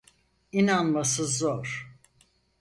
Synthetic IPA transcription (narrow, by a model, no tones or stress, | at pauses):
inanmasɯzoɾ̥